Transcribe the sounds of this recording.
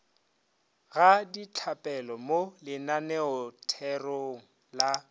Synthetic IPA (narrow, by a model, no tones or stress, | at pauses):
ɣadit͡ɬʰapʼɛlɔmolɪnanɛɔtʰɛroŋ̩la